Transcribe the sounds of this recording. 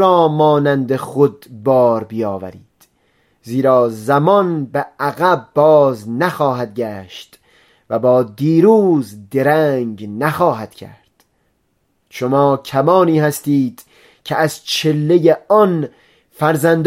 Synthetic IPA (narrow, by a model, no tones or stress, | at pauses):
ɾɒːmɒːnænd̪eχod̪bɒːɾbijɒːvæ̰ɾiːd̪̥ | ziːɾɒːzæmɒnbeʔæɣæbːɒːznæxɒːɦæd̪̚ɡæːʃt̪ | væbɒːd̪iːɾuːzd̪e̞ɾæŋɡnæxɒːɦæd̪̥cʲʰæ̰ɾd̪̥ | ʃomɒːcʲʰæmɒːniːhæst̪iːd̪̥ | cʲʰeʔæzt͡ʃʰe̞lːejeɒn | fæɾzænd̪